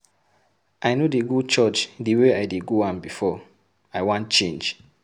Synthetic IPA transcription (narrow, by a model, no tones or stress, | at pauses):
ʔaɪnodeɡot͡ʃɔt͡ʃdiweaɪdeɡoãnbifɔ | aɪwãnt̚t͡ʃẽnd͡ʒ